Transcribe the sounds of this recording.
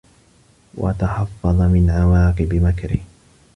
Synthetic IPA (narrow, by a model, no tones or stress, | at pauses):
wʔa̰t̪aħɑfːɑðˤɑmɪnʕawɑːqɨbɪmakɾɪ̰h